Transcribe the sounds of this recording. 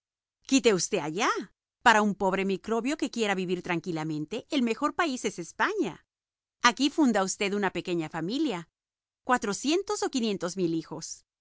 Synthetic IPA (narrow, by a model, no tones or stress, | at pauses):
kit̪e̞ust̪e̞aʝa | paɾaumpo̞βɾe̞mikɾo̞βjo̞ke̞kje̞ɾaβiβiɾt̪ɾaŋkilamẽ̞nt̪e̞ʔːlme̞xo̞ɾpaise̞se̞spaɲaː | kifund̪aust̪e̞ðunape̞ke̞ɲafamilja | kwat̪ɾo̞sje̞nt̪o̞so̞kinje̞nt̪o̞zmilixo̞s